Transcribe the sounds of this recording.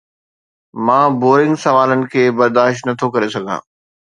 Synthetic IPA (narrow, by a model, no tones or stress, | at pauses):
mãːboːɾɪ̃ŋɡsɐʋaːlənɪ̆kʰeːbɐɾd̪aːʃtnɐt̪ʰokɐɾesɐɡʱã̰ː